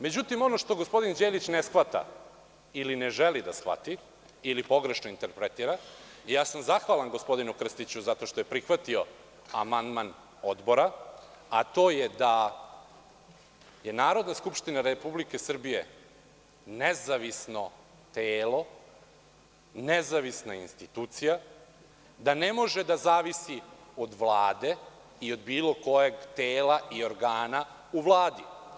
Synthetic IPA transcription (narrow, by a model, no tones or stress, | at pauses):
me̞d͡ʑut̪imo̞no̞ʂt̪o̞ɡo̞spo̞d̪ind͡ʑelit͡ɕnesxʋat̪a̰ | ilineʒelid̪asxʋa̰t̪i | ilipo̞ɡɾe̞ʃnoint̪eɾpɾet̪iːɾaijaːsamzaxʋalˠanɡo̞spo̞d̪inukr̩st̪it͡ɕuzat̪o̞ʃt̪o̞je̞pɾixʋat̪io̞ | amand̪man | o̞d̪bo̞ɾa | at̪o̞ːjed̪a | je̞naːɾod̪naskupʃt̪inaɾepublike̞sr̩bije̞̰ | nezaʋisno̞ | t̪eːlo̞ | nezaʋisnainst̪it̪uːt̪sija | d̪ane̞mo̞ʒed̪azaːʋisio̞d̪ʋlˠaːd̪e̞ | io̞d̪biːlˠo̞ko̞jeɡt̪eːlaʔio̞ɾɡaːna | uʋlˠaːd̪i